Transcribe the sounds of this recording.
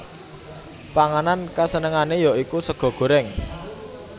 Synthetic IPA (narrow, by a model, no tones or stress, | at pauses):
paŋanankasənəŋanejɔʔikusəɡ̥ɔ̤ɡ̥o̤ɾɪŋ